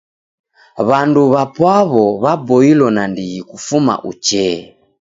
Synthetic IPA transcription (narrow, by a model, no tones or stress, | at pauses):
βanduβapwaβɔβabɔilɔnandiɣikufuma̰ʔut͡ʃɛ